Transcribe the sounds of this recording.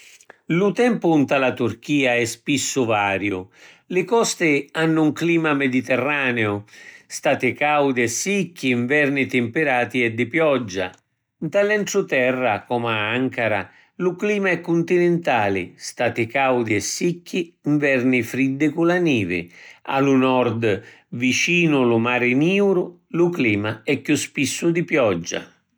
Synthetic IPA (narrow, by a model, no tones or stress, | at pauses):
lut̪ɛmpʊunt̪alat̪uɾk̟iːaɛspisːʊvaːɾjʊ | lɪkɔst̪ɪanːuŋkliːmamed̪it̪ɛrːaːneʊst̪aːt̪ɪkawd̪ɛsːikːiɱvɛɾnit̪ɪmpɪɾaːt̪iɛd̪ːɪpjɔd͡ʒːa̰ | nt̪alɛɳʈɾʊt̪ɛrːakɔmaaŋkaɾa̰ | lʊkliːmaɛkːunt̪inɪnt̪aːlɪ̰st̪at̪ɪkawd̪iɛsːikːiːɱvɛrnɪfɾid̪ːɪkulaniːvɪ̰a̰lunɔɾd̪ | vit͡ʃiːnʊlʊmaːɾɪniːuɾʊ | lʊkliːmaɛkːjuspisːʊd̪ipjɔd͡ʒːa̰